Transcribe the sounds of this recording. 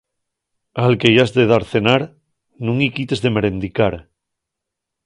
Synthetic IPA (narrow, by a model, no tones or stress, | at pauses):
alkejazðeð̞aɾθe̞naɾ | nũŋikit̪e̞zðe̞meɾẽnd̪ikaɾ